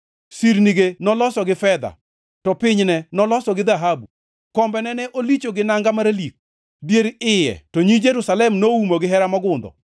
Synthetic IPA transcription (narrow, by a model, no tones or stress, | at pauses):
siɾniɡenɔlɔsɔɡɪfɛd̪a̰ | tɔpɪɲnɛnɔlɔsɔɡɪd̪aɦabu | kɔmbɛnɛnɛʔolit͡ʃoɡɪnaŋɡamaɾalik̚ | djeɾɪjɛ̰tɔɲid͡ʒeɾusalɛmnoumoɡɪɦɛɾamɔɡʊnd̪ɔ̰